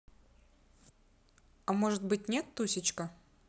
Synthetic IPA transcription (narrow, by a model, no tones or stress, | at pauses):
amoʐɨt̪̚bɨt̚ʲnʲet̪ːusʲɪt͡ɕkə